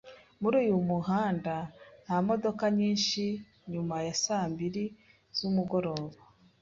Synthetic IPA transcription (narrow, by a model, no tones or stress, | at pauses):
muɾuːjumuɦaːndanamo̞do̞kaɲiːnʃi | ɲumajasaːmbiɾi | z̥umuɡo̞ɾo̞ːβa